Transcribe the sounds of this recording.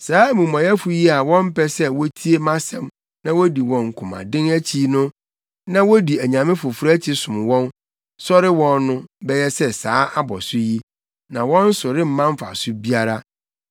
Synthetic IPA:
saː˨˦mũ˨mã˨jɛ˦fʊ˦ji˦a˨wɔ̃˦m̩˦pʰɛ˦sɛ˦wɔ˦tʰi˦e˦mã˦sɛ̃˨m | nã˦wɔ˦di˨wɔ̃˨ŋ̩˨kʰʊ̃˨mã̰˨dɪ̃˦ŋæ˦t͡ɕʰi˦nʊ̃˦ | nã˦wɔ˦di˨æ˨ɲã˨mɪ̃˦fʊ˨fɾæ˦t͡ɕʰi˦sʊ̃˨m˨wɔ̃˦n | sɔ˦ɾɪ˦wɔ̃˦nːʊ̃˦bɛ˦jɛ˦sɛ˦saː˨˦ʔa˦bɔ˨sʊ˦ji˦ | nã˨wɔ̃˦n̩˦sʊ˨ɾɪ˦m̩˦mã˦m˦fa̰˨sʊ˦bi˦a˦ɾa˦

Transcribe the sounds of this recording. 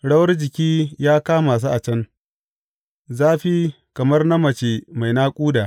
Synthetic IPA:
ɽɐ˦wɐ˦rd͡ʒɪ˨kʲiː˦jaː˦kaː˦maː˨s̬uː˦ʔa˨t͡ʃɐ˦n | zaː˦ɸi˦ | kɐ˨mɐ˦rna˦mɐ˨t͡ʃe˨ma˨jnaː˦kʷʼuː˦da˨ʔ

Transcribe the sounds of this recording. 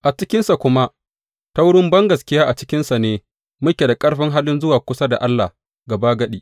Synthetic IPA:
ʔa˨t͡ʃɪ˦kʲɪ˦nsa˨kʷʊ˦ma˦ | ta˦wɽʊ˦mbɐ˦ŋɡɐ˨skʲɪ˦jaː˦ʔa˨t͡ʃɪ̥˦kʲɪ˦nsa˨neː˦ | mʊ˦kʲe˨da˨kʼɐ˦ɽɸɪ˦ŋɦaː˦lɪ˦nzʊ˦waː˨kʷʊ˦sa˦da˨ʔa˦lːa˨h | ɡɐ˨baː˦ɡɐ˦ɗiː˦

